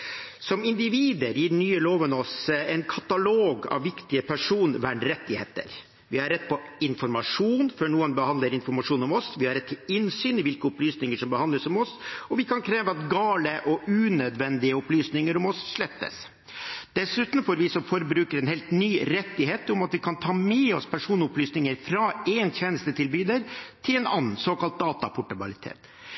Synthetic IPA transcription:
sɔmɪnd̪ɪʋiːd̪əɾjiːɾnyːəloːʋənɔsɛɪnkʰɑt̪ɑloːɡɑ̰ʋːɪkt̪ɪəpʰæʂuːnʋæɳɾɛt̪ːɪheːt̪ə̰ɾ | ʋɪhɑɾːɛt̪̚ːpʰɔɪnfɔɾmɑʂuːnfœɳuːənbəhɑnd̪ləɾɪnfɔɾmɑʂuːnʊmɔsʋɪhɑɾɛt̪ːɪlɪnsyːnɪʋɪlkəʊplyːsnɪŋəʂɔmbəhɑnd̪ləsʊmɔsɔʋɪkʰɑnkʰɾeːʋəɑt̪ɡɑːləʔɔʔʉːnœd̪ʋɛnd̪ɪəʊplyːsnɪŋəɾʊmɔsʂɭɛt̪ːə̰s | d̪̥ɛsʉːt̪n̩foːɾʋɪsɔmfɔɾbɾʉːkəɾɛnheːlt̪nyːɾɛt̪ːɪɦeːt̪ʊmɑt̪ʋɪkʰɑnt̪ʰɑːmɛɔspʰæʂuːnʊplyːsnɪŋəɾfɾɑeːnçɛnəst̪ət̪ʰɪlbyːd̪əɾt̪ʰɪlɛnɑ̰nn̩soːkɑlt̪̚d̪ɑːt̪ɑpʰʊʈɑbɑlɪt̪ʰḛːt̪

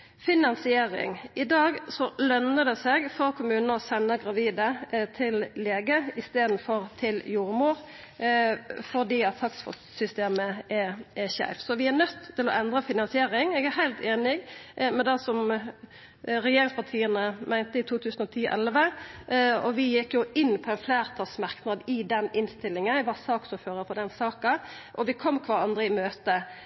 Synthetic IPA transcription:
fɪnɑnsɪeːɾɪ̰ŋʔɪd̪ɑːɡsɔlœnəd̪ɛsɛɡfɔɾkʰʊmʉːnnəɔsɛnːəɡʁɑʋiːd̪ət̪ʰɪlleːɡəɪst̪eːd̪n̩fɔɾt̪ʰɪljuːɾmuːɾ | fɔʁd̪iːɑt̪ʰːɑksfɔ̰ | sʏst̪eːməʔɛɛɕæ̰ːfsɔʋɪæɾnœt̪ʰːɪlɔʔɛnd̪ʁəfɪnɑnsɪeːɾɪŋɛɡæhæɪlt̪ʰeːnɪɡmɛd̪ɛsɔm | ɾɛjeːɾɪŋspʰɑʁt̪ʰiːənəmʔæɪnt̪əɪt̪ʰuːt̪ʰʉːsənɔt̪ʰiːʔɛ̰lʋə | ɔʋɪjɪkjʊɪnːpʰɔɛnflæːʁt̪ʰɑsmɑʁknɑd̪ɪd̪ɛnɪnst̪ɪlːɪŋənʋɑsɑːksɔføːɾəfɔʁd̪ɛnsɑːkɑ | ʔɔʋɪkʰɔmːkʰʋɑːʁɑnd̪ʁəɪmøːt̪ə

